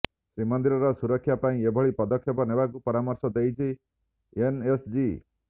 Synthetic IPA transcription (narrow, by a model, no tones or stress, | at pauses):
sɾimɔnd̪iɾɔɾɔsuɾɔkʰːjapaĩebʱɔɭipɔd̪ɔkʰjɔpɔnebakupɔɾamɔɾsɔd̪ejt͡ʃʰi | enesd͡ʒi